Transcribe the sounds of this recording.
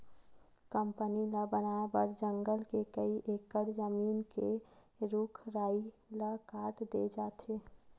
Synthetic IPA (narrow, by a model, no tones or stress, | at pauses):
kəmpənilabənabəɾd͡ʒəŋɡəlkekəiʔekəɽd͡ʒəmiːnke | ɾukʰɾaːi | ləkaːʈd̪ed͡ʒaːt̪ʰe